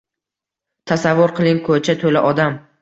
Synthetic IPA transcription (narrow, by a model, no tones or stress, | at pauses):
t̪ʰasavːʊɾqʰɨlˠɪŋkʰot͡ʃʰat̪ʰolaʔɒd̪am